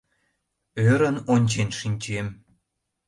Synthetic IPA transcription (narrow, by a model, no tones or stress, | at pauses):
øɾənonʲt͡ɕenʃinʲt͡ɕem